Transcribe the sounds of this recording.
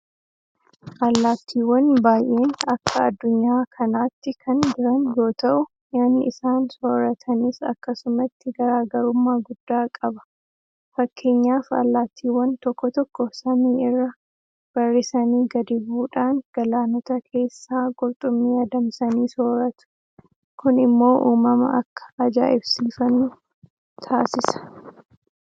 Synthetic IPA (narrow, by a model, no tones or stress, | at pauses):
ʔɐlːaːt̪ʰːiːwɔnbaːjʔe̞ːnɐkːɐɐd̪ːʊɲːaːkʰɐnaːt̪ːɪkʰɐnd͡ʒɪɾɐnjo̞ːt̪ɐʔʊ | jaːnːɪɪsaːnsoːɾɐt̪ʰɐnɪsɐ̰kːɐsʊmɐt̪ːɪɡɐɾaːɡɐɾʊmːaːɡʊd̪̥ːaːkʼɐbɐ̥ | fɐkʰːe̞ːɲːaːfɐ̰lːaːt̪ːiːwɐnt̪ɔkːɔt̪ɔkːɔsɐniːɪrːɐ | b̥ɐrːɪsɐniːɡɐd̪ɪbuːᶑaːŋɡ̥ɐlaːnɔt̪ɐkʰe̞ːsːaːɡɔɾt̪ʼʊmːiːjɐːd̪ɐmsɐniːsoːɾɐt̪ʊ̥ | kʊnɪmːo̞ːʔuːmɐmɐ̰ʔɐkːɐ̥ːd͡ʒa̰ːʔɪbsiːfɐnːʊ | t̪ʰaːsɪsɐ̥